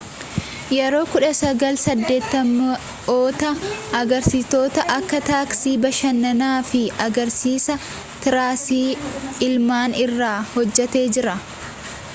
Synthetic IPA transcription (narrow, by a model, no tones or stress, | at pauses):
jɛɾo̞ːkʊᶑɐsɐɡɐlsɐd̪ːe̞ːt̪ːɐmːɐ | oːt̪ɐɐɡɐɾsɪt̪o̞ːt̪ɐʔɐkːɐt̪aːksiːbɐʃɐnːɐnaːfɪɐɡɐɾsiːsɐ | t̪ɪɾaːsiːɪlmaːnɪrːaːhɔd͡ʒːɛt̪e̞ːd͡ʒɪɾɐ